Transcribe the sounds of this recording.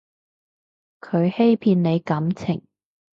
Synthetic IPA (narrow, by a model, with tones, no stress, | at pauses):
kʰɵ˨˧ɥhe˥jpʰiː˧nne˨˧jkɐ˨˧˥mt͡sʰɪ˨˩ŋ